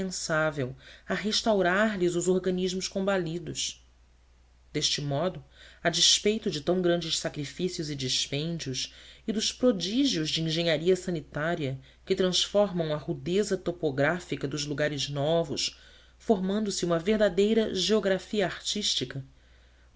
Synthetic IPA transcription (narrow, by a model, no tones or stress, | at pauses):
ẽsavewɐɦeʃt̪awɾaɾlɪzʊzoɾɡɐ̃niʒmʊʃkõmbalid̪ʊs | d̪̥eʃt͡ʃɪmɔd̪ʊad͡ʒispejt̪ʊd͡ʒɪt̪ɐ̃w̃ɡɾɐ̃nd͡ʒɪʃsakɾifisiʊzɪd͡ʒiʃpẽnd͡ʒiʊʃid̪ʊʃpɾod͡ʒiʒiʊzd͡ʒɪĩʒẽɲaɾiɐsɐ̃nit̪aɾiɐ | kɪt̪ɾɐ̃sfɔɾmɐ̃w̃ɐhud̪ezɐt̪opoɡɾafikɐd̪ʊzluɡaɾɪznɔvʊ̰ʃ | foɾmɐ̃nd̪ʊsɪũmɐveɦd̪ad̪ejɾɐʒeoɡɾafiɐaɾt͡ʃiʃt͡ʃikɐ